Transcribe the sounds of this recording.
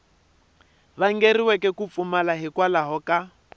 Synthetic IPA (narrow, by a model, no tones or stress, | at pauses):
βaŋ̩ɡeriwɛkɛkup̪fumalaɦikwalaɦɔka